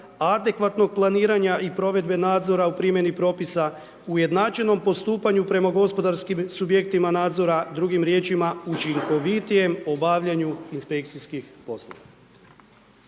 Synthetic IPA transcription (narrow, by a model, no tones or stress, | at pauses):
ad̪e̞kʋat̪no̞ɡ̚plˠaniːɾaɲaipɾo̞ʋe̞d̪be̞naːd̪zo̞ɾaupɾimje̞nipɾo̞ːpisa | uje̞d̪naːt͡ʃeno̞mpo̞st̪uːpaɲupɾe̞maɡo̞spo̞d̪aɾskimsubje̞kt̪imanaːd̪zo̞ɾad̪ɾuɡimɾje̞ːt͡ʃimaut͡ʃiŋko̞ʋit̪ije̞mo̞baʋʎaɲuinspe̞k̚t̪siskixpo̞slˠo̰ʋa